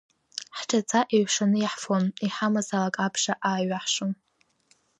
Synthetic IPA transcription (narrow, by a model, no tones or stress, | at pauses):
ħʈ͡ʂʰʼat͡sʰaʔiɥʂanɨjaħfoniħamazalakʼapʰʂaʔaːɥaħʂom